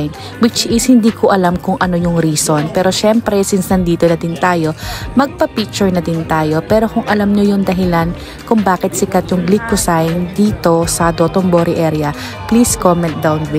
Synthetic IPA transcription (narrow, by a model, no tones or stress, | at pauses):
n | wɪt͡ʃʔɪshɪnd̪iːkoʔɐlamkʊŋʔɐno̞jʊŋɾiːsonpɛːɾo̞ʃɛmpɾɛsɪnsnɐnd̪iːt̪onɐd̪ɪnt̪aːjo̞mɐɡ̚pɐpik̚t͡ʃʊɹnɐd̪ɪnt̪aːjo̞pɛːɾo̞kʊŋʔɐlɐmɲojʊŋd̪ɐɦɪlan | kʊŋbaːkɛt̪̚sɪkɐt̪̚jʊŋɡlikʊsajnd̪iːt̪o̞sɐd̪ot̪omboɾɪʔɛɾjɐ | pliskomɛnt̪̚d̪ɐwnwɪ